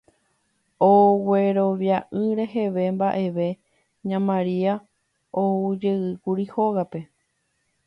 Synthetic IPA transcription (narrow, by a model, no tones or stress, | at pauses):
owe̞ɾo̞ʋjaʔɨɾe̞ɦe̞ʋe̞mbaʔe̞ʋe̞ | ɲãmãɾia | oud͡ʒeɨkuɾiho̞ɣape̞